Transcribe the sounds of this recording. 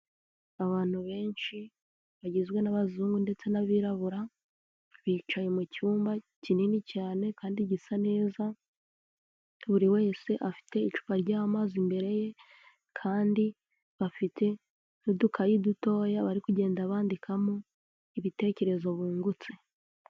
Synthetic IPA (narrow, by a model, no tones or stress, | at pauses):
aβaːn̥huβe̞ːnʃi | βaɟizɡwe̞naβazuːŋɡunde̞t͡se̞naβiːɾaβuɾa | βiːt͡ʃaje̞mucuːmba | cininicaːne̞kaːndiɟisane̞ːza | βuɾiwe̞ːse̞ʔafi̥te̞it͡ʃu̥βaɾɟaːβamaːzimbe̞ɾe̞je̞ | kʰaːndi | βafitʰe̞ | nudukʰajiduto̞ːjaβaɾikuɟe̞ːndaβaːndikʰamo | iβite̞ce̞ɾe̞zo̞βuːŋɡut͡se